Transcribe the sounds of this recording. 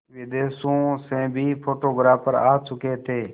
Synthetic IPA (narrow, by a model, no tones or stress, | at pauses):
ʋɪd̪eːsõːsɛ̃ːbʱiːpʰoːʈoːɡɾaːpəɾaːt͡ʃʊkeːt̪ʰeː